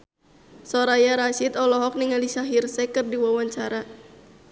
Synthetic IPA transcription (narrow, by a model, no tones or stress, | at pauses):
sɔɾajaɾaʃit̪ɔlɔɦɔk̚niŋalisaɦirsɛkɨrdiwawaɲt͡ʃaɾa